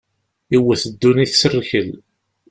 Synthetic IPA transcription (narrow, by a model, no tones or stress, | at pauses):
iwəθəd̪ːuniθsərçəl